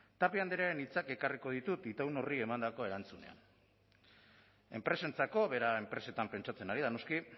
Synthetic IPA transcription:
t̪apiand̪eɾaɾe̞nit͡sake̞kariko̞ð̞it̪ut̪it̪awno̞rie̞mand̪ako̞e̞ɾant͡sune̞̰a̰n | e̞mpɾe̞se̞nt͡sako̞βe̞ɾae̞mpɾe̞se̞t̪ampe̞nt͡ʃat͡se̞naɾiðano̞ski

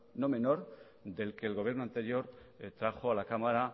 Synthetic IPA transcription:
no̞me̞no̞ɾ | d̪e̞lke̞ːlɣ̞o̞β̞jeɾno̞ant̪e̞ɾjo̞ɾt̪ɾaxo̞alakamaɾa

